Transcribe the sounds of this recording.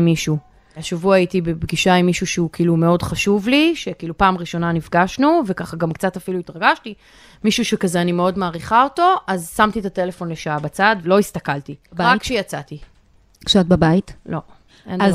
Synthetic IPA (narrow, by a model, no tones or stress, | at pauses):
miʃu | aʃavuaajitibebɡiʃaimiʃuʃeukiiːlume̞o̞dχaʃuvliʃe̞kiiːlupaːmʁiʃo̞nanifɡaʃnuve̞kaχaɡamkt͡satafiluitʁaɡaʃti | miʃuʃekazeanime̞o̞dmaːʁiχao̞to̞ʔazsamt̪it̪ate̞lefo̞nle̞ʃaabat͡sadvlo̞ist̪akaltiʁakʃejat͡sati | ksat̚babajitlo̞ | ʔenz